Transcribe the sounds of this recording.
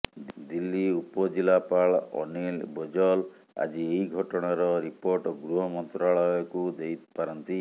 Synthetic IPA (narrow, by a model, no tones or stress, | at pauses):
d̪ilːiupɔd͡ʒilapaɭɔ̰nilbɔd͡ʒɔl | a̰d͡ʒieɦiɡʱɔʈɔɽ̃aɾɔɾipoɾʈɔɡɾuɦɔmɔnt̪ɾaɭɔjɔkud̪ejt̪paɾɔnt̪i